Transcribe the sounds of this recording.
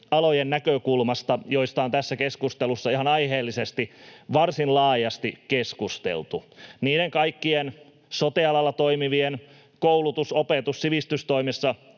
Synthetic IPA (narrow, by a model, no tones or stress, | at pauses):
ɑlojenːækøkulmɑst̪ɑjo̞ijst̪ɑont̪æsːækeskust̪elusːɑiɦɑnɑjɦeːlːisest̪iʋɑrsinlɑːjɑst̪ikeskust̪ḛlt̪uniːɾeŋkɑikːien | sot̪iɑlɑlːɑt̪o̞imiʋien | koulut̪usopet̪ussiʋist̪yst̪oimesːɑ